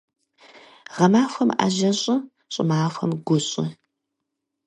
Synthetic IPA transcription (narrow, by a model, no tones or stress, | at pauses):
ʁɐmaːxʷɐma̰ːʑɐɕʼɐ | ɕʼɪmaːxʷɐ̰mɡʷʊɕʼɪ̰